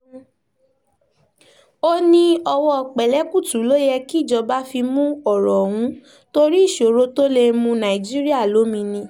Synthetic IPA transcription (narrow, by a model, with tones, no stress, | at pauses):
o˦nĩ˧ɔ˧wɔ˦˨k͡pɛ˨lɛ˨˦ku˦˨tu˨˦lo˦jɛ˧ki˦˨d͡ʒɔ˧ba˦fi˧mũ˦ɔ˦˨ɾɔ˨w̃ũ˦ | to˧ɾi˦i˦˨ʃo˨ɾo˦to˦le˧mũ˧nã˨i˨d͡ʒi˦ɾi˦a˦˨lo˨˦mĩ˧nĩ˧